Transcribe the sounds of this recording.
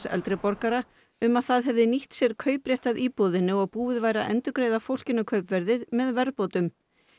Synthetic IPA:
sɛ̰lt̪ɾɪpɔɾkaɾa | ʏmaðθaðɦɛvðɪniht̪sjɛɾ̥kʰœːɥpɾjɛht̪aðiːpɔðɪnːɪɔɣpuːvɪðvaːjɾa̰ʔɛ̰nt̪ʏkɾejðafowl̥cɪnːʏkʰœɥpvɛɾðɪðmɛðvɛɾðpoːt̪ʏm

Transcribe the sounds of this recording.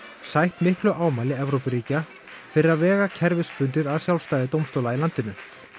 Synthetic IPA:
sajht̪mɪhklʏʔaːwmajlɪɛvɾowpɪɾiːca | fɪɾɪavɛːɣacʰɛɾvɪspʏnt̪ɪðaðsjawlst̪aːjðɪt̪owmst̪oːwlailant̪ɪnʏ

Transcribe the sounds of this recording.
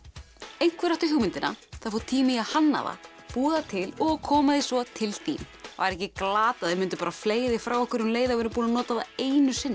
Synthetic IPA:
ejŋ̥kvɛɾaht̪ʏçjuːwmɪnt̪ɪnaθaðfoːwt̪ʰiːmɪahanːa̰va̰ | puːðat̪ʰɪlɔɣkʰɔːmaðɪsvɔt̪ʰɪlθḭːm | va̰ɾɛhcɪklaːt̪aðvɪmʏnt̪ʏ̥paːɾafleːjðɪfɾaːwɔhkʏɾʏnleːjðavɛɾɪmpuːnanɔːt̪aðaeːjnʏsɪnːa

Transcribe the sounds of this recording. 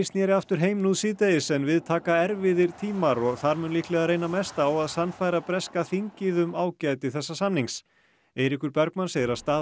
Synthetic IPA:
st̪njɛɾɪaft̪ʏɾ̥ɦeːjmnuðsɪːt̪ejɪsɛnvɪðt̪ʰaːkaɛɾvɪðɪɾ̥t̪ʰiːmaɾɔɣθaɾmʏnliːhk̪lɛɣaɾrejnamɛst̪aːwaðsanːfajɾapɾɛskaθiɲcɪðʏmaːwcajt̪ɪθɛsːasanːiŋs | eːjɾikʏɾpɛɾkmanseːjðɪɾast̪aː

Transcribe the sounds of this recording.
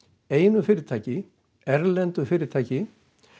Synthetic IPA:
eːjnʏfɪːɾɪɾt̪ʰaːjcɪ | ɛɾlɛnt̪ʏfɪːɾɪɾt̪ʰaːjcɪ

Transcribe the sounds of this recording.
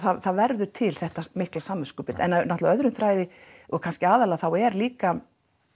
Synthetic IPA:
θaðθaðvɛɾðʏ̥t̪ʰɪlθɛht̪amɪhklasaːmːʏskʏpɪt̪ɛ̰nːanaht̪laœðɾʏnθɾaːjðɪɔɣkʰanscɪaːðalaθawɛɾliːka

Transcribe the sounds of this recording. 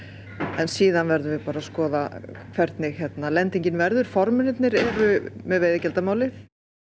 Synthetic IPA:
ɛnsiːðanvɛɾðʏvɪpaːɾaskɔːðakʰvɛɾt̪nɪhɛt̪nalɛnt̪iɲcɪnvɛɾðʏɾ̥fɔɾmʏnɪt̪nɪɾɛɾʏmɛðveːjðɪcɛlt̪amaːwlɪθ

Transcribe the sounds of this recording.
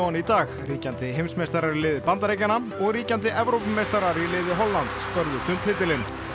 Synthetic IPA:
anit̪aːɣriːcant̪ɪɦejmsmejst̪aɾaɾɪlɪːðɪpant̪aɾejcanamɔɣriːcant̪̬ɪʔɛvɾowpmːejst̪aɾaɾilɪːðɪɦɔlːant̪spœɾðʏst̪ʏnt̪hɪːt̪ɪlɪn

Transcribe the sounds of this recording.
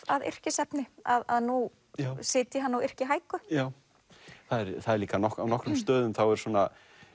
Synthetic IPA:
aðɪ̰r̥cɪsɛpnɪaðaðnu | sɪːt̪ɪɦanːawɪr̥cɪɦaːjkʏjaːw | θaðɛɾθaðɛɾliːkanɔhkawnɔhkɾʏmst̪œːðʏmθawɛɾ̥sɔːna

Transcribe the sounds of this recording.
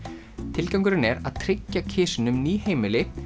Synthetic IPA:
t̪ʰɪlcawŋkʏɾɪnɛɾa̰ðt̪ʰɾɪcːacʰɪːsɪnʏmniːɦeːjmɪlɪ

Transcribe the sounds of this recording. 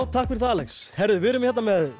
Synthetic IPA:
wt̪ʰahkfɪɾɪ̥θaːlɛkshɛɾðʏvɪɾʏmçɛt̪namɛð

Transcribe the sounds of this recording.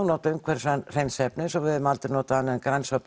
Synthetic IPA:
nɔːt̪aʏmkʰvɛɾ̥sanr̥ejnsɛpnɪsɔvɪðʏmalt̪ɪɾnɔːt̪aanːnkɾajnsvap

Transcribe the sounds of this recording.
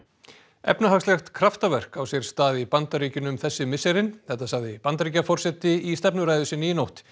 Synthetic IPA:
ɛ̰pnaɦakslɛxt̪kʰɾaft̪avɛr̥kawsjɛɾ̥st̪aːðɪpant̪aɾiːcʏnʏmθɛsːɪmɪsɛɾɪnθɛht̪asaɣðɪpant̪aɾicːafɔr̥sɛt̪ɪist̪ɛpnʏɾaːjðʏsɪnijnowht̪

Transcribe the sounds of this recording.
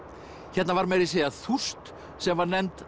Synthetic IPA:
çɛt̪navaɾmɛɾɪseːjaθu̥st̪ | sɛmvaɾnɛnt̪

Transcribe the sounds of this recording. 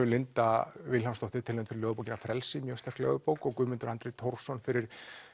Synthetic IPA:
ʏlɪnt̪avɪlhanmst̪ɔwht̪ɪt̪ʰɪlemnfɪɾɪɾlœːɣʏpowcɪnafɾɛlsɪmjœst̪ḁklɛ̰ɣʏpowkɔɣkʏːmɪnt̪ʏɾant̪ɾet̪ʰowr̥sɔnfɪɾɪɾ̥

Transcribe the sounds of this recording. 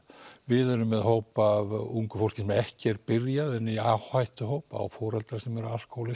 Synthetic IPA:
vɪðœɾʏmːɛðɦowpavuŋkʏ̥fowl̥cɪ̥nsɛmɛhcɪɛɾpɪɾjaðɛnːiawhajht̪ʏɦowpa̰wfɔːɾalt̪ɾaɾsɛmɛɾʏal̥kʰowlɪ

